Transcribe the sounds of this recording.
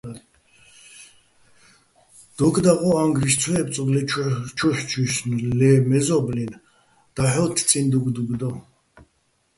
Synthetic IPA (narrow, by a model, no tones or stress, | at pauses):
d̪̥ɔɡd̪aʁɔaŋɡɾiʃt͡sʰwɛːp̚t͡sʼɔɡlɛt͡ʃʰuħt͡ʃʰusnlɛmɛzɔblin | d̪̥aħɔt̪ʰt͡s̪ʼind̪uɡd̪uɡd̪ɔ